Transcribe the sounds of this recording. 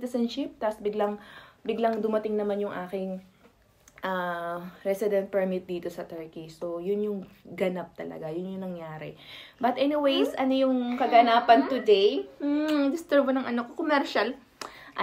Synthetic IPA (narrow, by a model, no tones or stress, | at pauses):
t̪ɐsɛnʃɪp̚t̪asbɪɡlɐŋbɪɡlɐŋd̪ʊmɐt̪ɪŋnɐmanjʊŋʔaːkɪŋ | ʔɐɾɛsɪd̪ɛ̃nt̪̚pɛɹmɪt̪̚d̪iːt̪o̞sɐt̪ɛɹkisojʊnjʊŋɡɐnap̚t̪ɐlɐ̰ɡajʊnjʊŋnɐŋjaːɾɛ̰bɐt̪ʔɛnɪwejsɐnojʊŋkɐɡɐnaːpɐnt̪ʊd̪ejm̩d̪ɪst̪ɛɹbonɐŋʔɐnokokomɛɾʃɐl | ʔ